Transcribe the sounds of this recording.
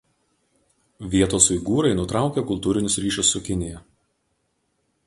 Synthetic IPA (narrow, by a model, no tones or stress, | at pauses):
ʋʲiɛt̪oːsʊɪɡuːɾɐɪnʊt̪ɾɑˑʊkʲekʊlˠt̪uːɾʲɪnʲʊsɾʲiːʃʊsːʊkʲɪnʲɪjɛ